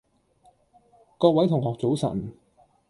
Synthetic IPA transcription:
kɔː˧k̚wɐ˨˥jt̪ʰʊ˨˩ŋhɔː˨k̚t͡so˨˥wsɐ̰˨˩n

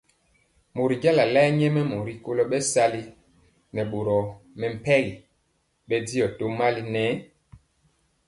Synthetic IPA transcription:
mo˨ɾi˨d͡ʒa˦la˨la˦ɲɛ˦mɛ˦mo˨ɾi˨ko˦lɔ˦ɓɛ˦sa˦li˦ | nɛ˨ɓo˨ɾɔ˨mɛ˨m̩˨pɛ˦ɣi˨ | ɓɛ˦di˦jɔ˨to˦ma˦li˦nɛ˨˦

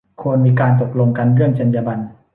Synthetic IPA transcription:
kʰu˧ənmiː˧kaː˧nt̪o˨˩k̚lo˧ŋka˧nɾɯ˥˩əŋt͡ɕa˧njaː˧ba˧n

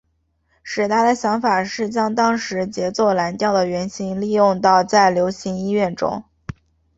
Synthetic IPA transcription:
ʂɻ̩˨˩t̪ʰa˥˩d̪ə˨˩ɕjɑ˧˥ŋfa˨˩ʂɻ̩˥˩t͡ɕjɑ˥ŋt̪ɑ˥ŋʂɻ̩˧˥t͡ɕjɛ˧˥t͡swɔ˥˩la˧˥nt̪jɑ˥˩ʊd̪ə˩ɥɛ˧˥nɕi˧˥ŋli˥˧jʊ˥˧ŋt̪ɑ˥˧ʊt͡sa˥˩ɪljo˧˥ʊɕi˧˥ŋi˥ɥɛ˥˩nʈ͡ʂʊ̰˥ŋ

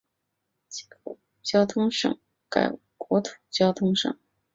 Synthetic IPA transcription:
t͡ɕ | t͡ɕjɑ˥ʊt̪ʰʊ˥ŋʂɤ̰˨˩˦ŋ | ka̰˨˩ɪ | kwɔ˧˥t̪ʰu̥˨˩t͡ɕjɑ˥ʊt̪ʰʊ˥ŋʂɤ̰˨˩˦ŋ

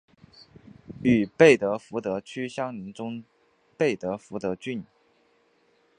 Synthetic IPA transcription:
y˨˩pe˥˩ɪt̪ɤ˧˥fu˧˥t̪ɤ˧˥t͡ɕʰy˥ɕjɑ˥ŋni˧˥nʈ͡ʂʊ˥ŋ | pe˥˩ɪt̪ɤ˧˥fu˧˥t̪ɤ˧˥t͡ɕy˥˩n˨˩

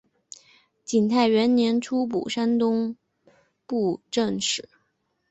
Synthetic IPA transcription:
t͡ɕi˨˩nt̪ʰa˥˩ɪɥɛ˧˥nnjɛ˧˥nʈ͡ʂʰu˥p̬ṵ˨˩ʂa˥nt̪ʊ˥ŋ | pu˥˧ʈ͡ʂɤ˥˧ŋʂɻ̩˨˩˦

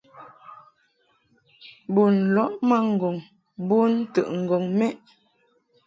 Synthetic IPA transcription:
bu˨n˨lɔ˦ʔma˦ŋ̩˨ɡɔ˨ŋ | bu˦n˦tə̰˨ʔŋ̩˨ɡɔ˨ŋmɛ˦ʔ

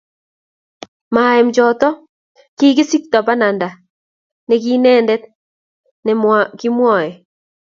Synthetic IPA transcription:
ma˨ɛ˨md͡ʒɔ˨t̪ɔ˦ | ki˦ɡɪ˦si˦k̚t̪ɔ˨pa˦na˨nda˨ | nɛ˨ki˦nɛː˦ndɛ˦t̪̚ | nɛ˨mwa˨ki˦mwɔ˦˨ɛ˨

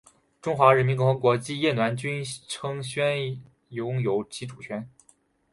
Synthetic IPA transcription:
ʈ͡ʂʊ˥ŋxwa˧˥ɻə˧˥nmi˧˥nkʊ˥xɤ˧˥ŋkwɔ˧˥t͡ɕi˥˧jɛ˥˩nwa˧˥nt͡ɕy˥nʈ͡ʂʰɤ˥ŋɕɥɛ˥n | jʊ˧˥ŋjo˧˥ʊt͡ɕi˧˥ʈ͡ʂʰu˨˩t͡ɕʰɥɛ˧˥n

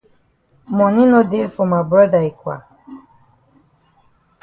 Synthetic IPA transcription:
mɔ̃˨nĩ˦no˦de˦lfɔ˨ma˨bɹɔ˦da˨i˨kwa̰˨

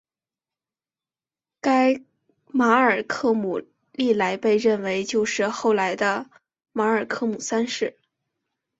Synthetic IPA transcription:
ka˥ɪ | ma˧˥ə˞˨˩kʰɤ˥˩mu˨˩ | li˥˩la˧˥ɪpe˥˧ɪɻə˥˩nwe˧˥ɪt͡ɕjo˥˧ʊʂɻ̩˥˧xo˥˩ʊla˧˥ɪd̪ə˧ | ma˧˥ə˞˨˩kʰɤ˥˩mu˨˩sa˥nʂɻ̩˥˩

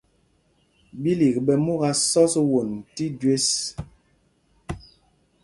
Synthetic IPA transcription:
bi˦li˨k̚bɛ˨mu˦ɣa˦sɔ˦swo˨nti˦dɥe˦s

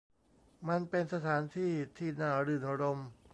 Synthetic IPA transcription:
ma˧npe˧nsa˧t̪ʰaː˩˦nt̪ʰiː˥˩t̪ʰiː˥˩naː˧˩ɾɯ˨˩nʔa˧ɾo˧m

